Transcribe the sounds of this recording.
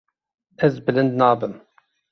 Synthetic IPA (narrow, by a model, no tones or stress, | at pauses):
ɛzbɨlɨnd̪nɑːbɨm